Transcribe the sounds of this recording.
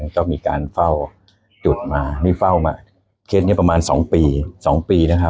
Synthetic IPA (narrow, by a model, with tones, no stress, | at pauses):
nt̪ɔː˥˩miː˧ka̰ː˧nfa˥˩w | t͡ɕu˨˩t̪̚maː˧niː˥˩fa˥˩wma̰ː˧˩ | kʰeː˦˥t̪̚n˥˩pa˧maː˧nsɔː˩˦ŋpiː˧sɔː˩˦ŋpiː˧na˦˥˩kʰa˦˥